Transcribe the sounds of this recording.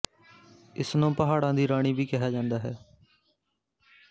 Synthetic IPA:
ɪsnũːpəɦaːɽãːd̪iːɾaːɽ̃iːʋiːkɪɦaːd͡ʒãːnd̪aːɦɛː

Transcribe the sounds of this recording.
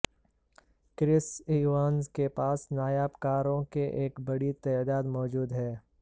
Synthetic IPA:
kɾɪsiːwaːnzkepaːsnaːjaːbkaːɾõkeʔeːkbɐɽit̪ɛːd̪aːd̪mɔːd͡ʒuːd̪ɦɛː

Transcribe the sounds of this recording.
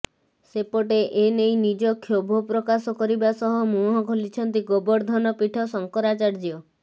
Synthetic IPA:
sepɔʈ̬eʔenejnid͡ʒɔkʰjobʱɔpɾɔkasɔkɔɾibasɔɦɔmũɦɔkolit͡ʃʰɔnt̪iɡobɔɾd̪ʱɔnɔpiʈʰɔsɔŋkɔɾat͡ʃaɾd͡ʒiɔ

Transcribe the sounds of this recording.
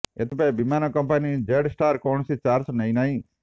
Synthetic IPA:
et̪ʰipabimanokɐmpanid͡ʒeɖsʈaːɾkoːɳsit͡ʃaːɾsnɐ̃ĩnaĩ

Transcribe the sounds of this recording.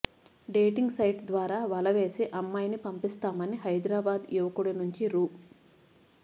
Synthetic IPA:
ɖeːʈiŋɡsɐjʈd̪ʋaːɾaːʋɐlɐʋe̞ːsiʔɐmːaːjnipɐmpist̪aːmɐniɦɐjd̪ɾaːbaːd̪iʋɐkuɽinuɲt͡ʃiɾuː

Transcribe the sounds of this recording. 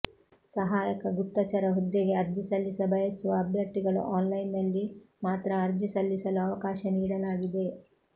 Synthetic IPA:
sɐɦaːjɐkɐɡupt̪ːɐt͡ʃɐɾɐɦud̪ːeɡe̞ɐɾd͡ʒisɐlːisɐbʱɐjɐsuʋɐːbʱjɐɾt̪iɡɐɭṵʔaːnlɐjnːɐlːimaːt̪ɾɐːɾd͡ʒisɐlːisɐluɐʋɐkaːʃɐniːɽɐlaːɡid̪e̞

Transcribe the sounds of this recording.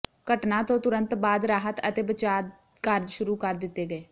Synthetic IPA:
kəʈnãːt̪õːt̪ʊɾə̃nt̪baːd̪ɾaːɦət̪ət̪eːbət͡ʃaː | kəɾd͡ʒʃʊɾuːkəɾd̪ɪt̪ːeːɡəeː

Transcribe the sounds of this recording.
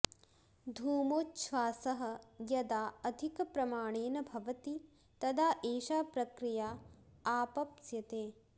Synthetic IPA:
d̪ʱuːmoːtːʃʰʋaːsɐɦɐ̆jɐd̪aːɐd̪ʱikɐpɾɐmaːɳeːnɐbʱɐʋɐt̪i | t̪ɐd̪aːʔeːʃaːpɾɐkɾijaːaːpɐpsjɐt̪eː

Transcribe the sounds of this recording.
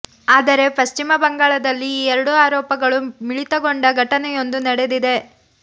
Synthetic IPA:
aːd̪ɐɾe̞pɐst͡ʃimɐbɐŋɡaːɭɐd̪ɐlːiːɛɾɐɽuaːɾɔːpɐɡɐɭumiɭit̪ɐɡo̞ɳɖɐɡʱɐʈɐnɛjo̞nd̪unɐɽe̞d̪id̪e̞

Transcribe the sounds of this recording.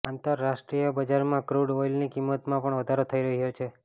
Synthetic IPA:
ant̪əɾːasʈɾijəbəd͡ʒaɾmãkɾuɽojlnikimːət̪mãpəɳʋəd̪ʱaɾot̪ʰəiɾəɦiɦot͡ʃʰe

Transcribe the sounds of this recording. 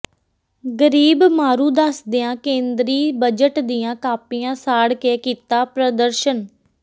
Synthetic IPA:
ɡəɾiːbmaːɾuːd̪əsd̪ɪːãːkẽːnd̪ɾiːbəd͡ʒəʈd̪iːjãːkaːpijãːsaːɽkeːkiːt̪aːpɾəd̪əɾʃən

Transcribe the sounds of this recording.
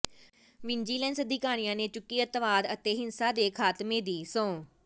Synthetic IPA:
ʋɪnd͡ʒiːlɛ̃ːnsəd̪ʱɪkaːɾ̃ijãːneːt͡ʃʊkːiːət̪ʋaːd̪ət̪eːɦɪnsaːd̪eːkʰaːt̪mẽːd̪iːsɔ̃ː

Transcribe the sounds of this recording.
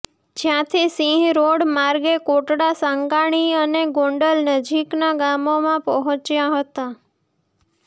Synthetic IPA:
d͡ʒjãt̪ʰisĩɦɾoɽmaɾɡekoʈɽasaŋɡaɽ̃iəneɡõɳɖəlnəd͡ʒiknaɡamomãpəɦɔ̃t͡ʃjaɦət̪a

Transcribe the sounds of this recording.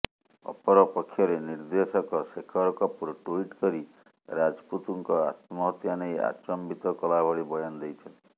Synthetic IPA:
ɔ̰pɔɾɔpɔkʰːjɔɾeniɾd̪esɔkɔsekʰɔɾɔkɔpuɾɔʈuiʈkɔɾi | ɾad͡ʒput̪uŋkɔa̰t̪mɔɦɔt̪janeja̰t͡ʃɔmbit̪ɔkɔlabʱɔɽibɔjɔnɔd̪ejt͡ʃʰɔnt̪

